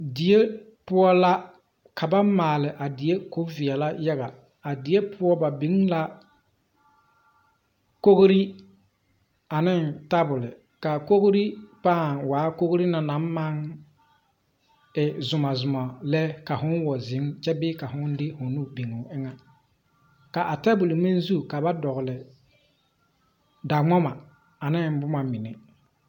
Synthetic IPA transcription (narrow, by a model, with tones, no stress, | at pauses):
di˨je˦ | pʊ˦ɔ˦la˦ | kʰa˨ba˦mːaː˨lɪ˨ʔa˨dɪ˨je˦kʊ˨˦vɪ˨ɛ˨la˦ja˦ɣa˨ | a˨di˨je˦pʰʊ˦ɔ˦ba˨bi˨˦ŋla˦ | ko˦ɣɾi˦ | a˨nɪ˦nta˦bʊ˨lɪ˨ | ka˨ko˦ɣɾi˦paː˦˨ŋwaː˨˦ko˦ɣɾi˦na˨na˨˦mː˦a˦ŋ | ɪ˨zʊ˨ma˨zʊ˨ma˨lɛ˦ka˨ɦʊ˦n˦wɔ˨zɪ˨˦ŋt͡ʃɛ˦bɪː˦ka˨ɦʊ˦n˦dɪ˦hʊ˨nu˦bi˨ŋu˨ɪ˦ŋa˦ | ka˨ʔa˨ta˦bʊ˨lɪ˨mi˦n˦zu˦˨ka˨ba˦dɔ˨ɣʊ˨lɪ˨ | da˨ŋ͡mɔ˦ma˨ | a˨nɪ˦n˦bʊ˦ma˨mɪ˨nɛ˨